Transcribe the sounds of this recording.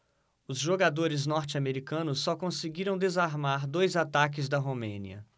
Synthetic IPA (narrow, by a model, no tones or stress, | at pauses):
ʊzʒoɡad̪oɾɪznɔɾt͡ʃɪameɾikɐ̃nʊsːɔkõsɪɡiɾɐ̃w̃d̪ezaɾmaɾd̪ojzat̪ak̬ɪzd̪ɐɦomẽnḭɐ̰